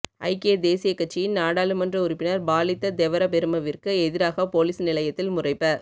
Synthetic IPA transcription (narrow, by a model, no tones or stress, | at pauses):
ʔɐ̰ɪked̪eːsɪjɐkːɐʈ̚t͡ʃːɪjɪnnaːɽaːlɯmɐndrɐʊɾɪpːɪnɐɾbaːlɪt̪ːɐd̪ɛʋɐɾɐpɛɾɯmɐʋɪrkɯɛðɪɾaːɣɐpoːliːsnɪlɐjɐt̪ːɪlmʊrɐɪpːɐ